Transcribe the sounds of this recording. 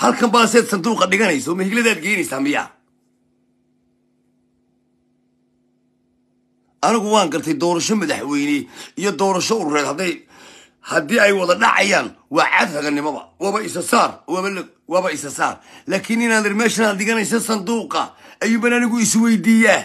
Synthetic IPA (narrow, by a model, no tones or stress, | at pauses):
hɐlkʰɐmbɐɐsɛːd̪sɐnd̪uːqɐɗɪɣɐnɛjsɔmɐhɪɡlɐðaːd̪̚ɡɛːjnɛjsaːmɪja̰ː | ʔɐnɪɣʊwɑːŋɡɐrt̪ʰɛjd̪ɔːɾɐʃɔmɐðɐħwɛjnɛijɔd̪ɔːɾɐʃɔʊɾʊɾɛːd̪hd̪ | hɐd̪iːɛjwɑðɐɖɑ̰ʕɑ̰jaːnwɑːʕɑ̰ːd̪hɐɣɐnɪmɔβɐ̰wɑːβɐɪsɐsaːr | wɑːβɐɪsɐsa̰ːrlaːkʰɪnɪnaːd̪ɪrmɛːʃɐnad̪ɗɪɣɐnɛjs̬ɐsɐnd̪uːqɐ̰ɐjuːbɐnɐnɪɣʊɪswɛjd̪iːjaː